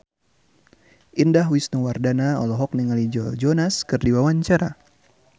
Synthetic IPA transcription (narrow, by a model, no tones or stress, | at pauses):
ʔindaɦwisnuwardanaɔ̰lɔɦɔk̚niŋalid͡ʒɔd͡ʒɔnaskɨrdiwawaɲt͡ʃaɾa̰